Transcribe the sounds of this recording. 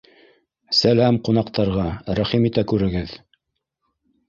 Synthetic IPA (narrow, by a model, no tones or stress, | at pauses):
sælæmqunɑqt̪ɑɾʁɑɾæχimit̪ækʉɾɘ̆ɡɘð